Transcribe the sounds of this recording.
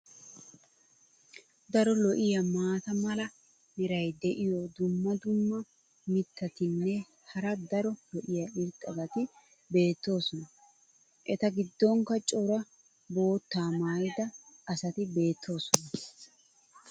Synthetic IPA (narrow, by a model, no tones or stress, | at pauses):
d̪ɐɾɔlɔʔɪjɐmaːt̪ɐmɐlɐ | nɛɾɐjd̪ɛʔɪjɔd̪ʊmːɐd̪ʊmːɐ | mɪt̪ʰːɐt̪ɪnːɛ | hɐɾɐd̪ɐɾɔlɔʔɪjɐɪɾtʼːɐɡɐt̪ɪ | be̞ːt̪ːo̞ːsɔnɐ | ʔɛt̪ɐɡɪd̪ːɔŋkɐt͡ʃʼɔɾɐ | bo̞ːt̪ːaːmaːjd̪ɐɐsɐt̪ɪbe̞ːt̪ʰːo̞ːsɔnɐ